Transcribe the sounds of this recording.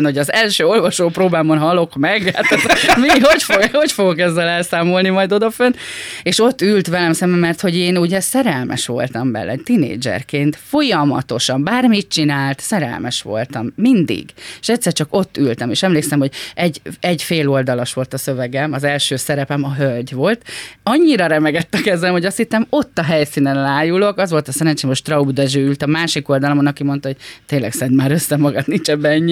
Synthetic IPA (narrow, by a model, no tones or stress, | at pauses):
nho̞ɟɒzɛlʃøːo̞lvɒʃoːproːbaːmonɦɒlo̞kmɛɡaːt̪ɛzmiho̞cfoɡho̞cfo̞ɡokɛzːɛlɛlsaːmo̞lnimɒjd̪o̞d̪ɒføneːʃo̞t̪ːylt̪ʋɛlɛmsɛmbɛmːɛrt̪ho̞ɟeːnuɟɛsɛɾɛlmɛ̰ʃʋo̞̰lt̪ɒmbɛ̰lːɛ̰t̪inḛːd͡ʒɛ̰rkeːnt̪fo̞jɒmɒ̰t̪o̞ʃɒmbaːrmit̪̚t͡ʃinaːlt̪sɛɾɛ̰lmɛʃʋo̞̰lt̪ɒmːind̪ḭɡeʃɛct̪ʲsːɛrt͡ʃɒko̞t̪ːylt̪ɛmeːʃɛmleːksɛmho̞ɟɛɟɛɟfeːlo̞ld̪ɒloʃʋo̞lt̪ɒsø̞vɛɡɛmɒzɛlʃøːsɛɾɛpɛmɒɦølɟʋo̞lt̪ɒɲːiɾɒɾɛmɛɡɛt̪ːɛkɛzɛmho̞ɟɒst̪hit̪ːɛmo̞t̪ːɒɦɛjsinɛnlaːjulo̞kɒzʋo̞lt̪ɒsɛɾɛnt͡ʃeːmo̞ʃt̪rɒud̪ɛʒøːylt̪ɒmaːʃiko̞ld̪ɒlomonɒkimo̞nt̪ɒɦo̞ɟ̥t̪eːnlːɛ̰ksɛnd̪maːɾøsːɛmɒɡɒt̪nint͡ʃɛbɛɲːi